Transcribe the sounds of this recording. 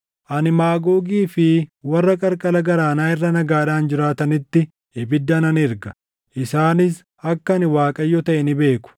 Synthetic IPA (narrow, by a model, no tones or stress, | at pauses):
ʔɐnɪmaːɡoːɡiːfɪwɐrːɐkʼɐɾkʼɐlɐɡɐɾaːnaːɪrːɐnɐɡaːᶑaːnd͡ʒɪɾaːt̪ɐnɪt̪ːɪ | ɪbɪd̪ːɐnɐnɪɾɡɐ̥ | ʔɪsaːnɪs̬ | ɐkːɐnɪwaːkʼɐjːɔt̪ɐʔɛnɪbe̞ːkʊ̥